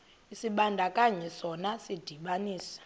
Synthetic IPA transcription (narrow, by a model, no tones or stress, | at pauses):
isiɓandʱakʼaɲɛsɔnasid̥ʱiɓaniːsḁ